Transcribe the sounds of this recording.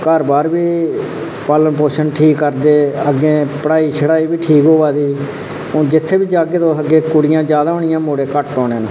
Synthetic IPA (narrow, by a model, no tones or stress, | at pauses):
kəɾbaːɾbiː | paːlənpoːʃənʈʰiːkːəɾd̪eːəɡːẽːpəɽaːiːt͡ʃʰəɽaːiːbiːʈʰiːkɦoːʋaːd̪iː | õːd͡ʒɪt̪ʰːeːbiːd͡ʒaːɡeːt̪oːsəɡeːkʊɽɪjãːd͡ʒjaːd̪aːɦoːɳɪjãːmoːɽeːkəʈːɔːneːnː